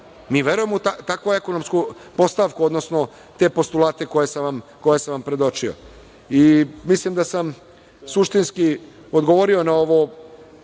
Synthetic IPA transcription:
miːʋje̞ɾuje̞mut̪at̪akʋoekonomsku | po̞st̪aʋkuod̪nosno̞ | t̪e̞po̞st̪ulaːt̪e̞kojesaʋamko̞jesaʋampɾe̞d̪o̞t͡ʃio̰ | imislimd̪asam | suʃt̪inski | od̪ɡoʋoɾio̞nao̞ʋo

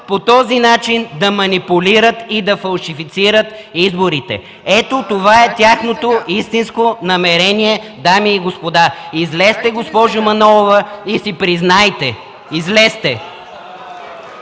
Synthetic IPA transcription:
pot̪ɔzinat͡ʃind̪ɐmɐnipuliɾət̪id̪ɐfɐlˠʃifit̪siɾət̪ | izboɾit̪ɛ̰ | ɛt̪ot̪ovaɛt̪ʲaxnot̪oist̪inskonɐmɛɾɛniɛd̪amiːɡospod̪aizlɛst̪ɛɡospɔʒʊmɐnɔlˠovɐisipɾiznajt̪ɛ | izlɛst̪ɛ

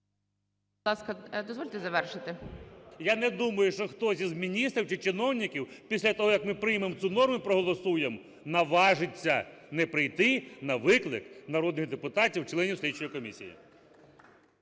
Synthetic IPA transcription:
b̪lˠɑskɐd̪ɔzʋɔlʲt̪ɛzɐʋɛrʃɪt̪ɪjanɛd̪umɐjʊʃt͡ʃɔxt̪ɔsʲizmʲinʲist̪ɾʲiwt͡ʃɪt͡ʃɪnɔwnʲikʲiwpʲisʲlʲɐt̪ɔɦɔjɐkmɪpɾɪjmemt̪sunɔrmʊpɾɔɦɔlˠɔsujem | nɐʋɑʒɪt͡sʲːɐnɛpɾɪjt̪ɪnɐʋɪklˠɪknɐɾɔd̪nɪɣd̪epʊt̪ɑtʲiwt͡ʃlˠɛnʲiwslʲit͡ʃɔjikɔmʲisʲḭjḭ

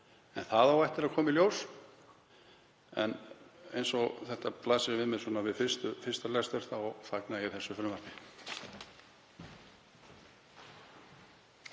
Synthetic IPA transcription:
ɛnθaðawɛht̪ɪɾaðkʰɔːmɪljoːws | ɛ̰nḛjnsɔɣθɛht̪aplasɪɾvɪðmɛðswɔːnavɪðfɪ̥st̪ʏfɪ̥st̪alɛst̪vœɾ̥θaɔɣfaknaiθɛsːʏfɾʏmar̥cɪ

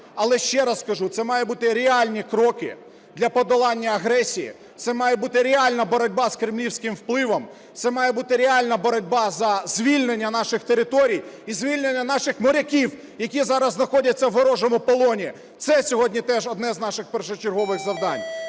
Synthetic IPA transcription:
ɐlˠɛʃt͡ʃɛɾɐsskɐʒut̪sɛmɑjɛbut̪ɪɾʲeɑlʲnʲikɾɔkɪ̰ | d̪lʲɐpɔd̪ɔlˠɑnʲːɐɐɦɾɛsʲijḭ | t̪sɛmɑjɛbut̪ɪɾʲeɑlʲnɐbɔɾɔdʲbɑskɾɪmlʲiwsʲkɪmwplˠɪʋɔm | t̪sɛmɑjɛbut̪ɪɾʲeɑlʲnɐbɔɾɔdʲbɑzɐzʲʋʲilʲnenʲːɐnɑʃɪxt̪eɾɪt̪ɔɾʲijizʲʋʲilʲnenʲːɐnɑʃɪxmɔɾʲɐkʲiw | jɐkʲizɑɾɐzznɐxɔdʲɐt͡sʲːɐwɦɔɾɔʒɔmʊpɔlˠɔnʲi | t̪sɛsʲɔɦɔdʲnʲit̪ɛʒɔd̪nɛznɑʃɪxpɛɾʃɔt͡ʃerɦɔʋɪɣzɐwd̪ɑnʲ

